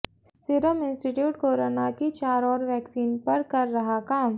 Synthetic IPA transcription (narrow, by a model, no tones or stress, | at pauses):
sɪɾəmɪ̃nsʈɪʈjuːʈkoːɾonakit͡ʃaːɾɔːɾʋɛːksiːnpɐɾkɐɾːɐɦakaːm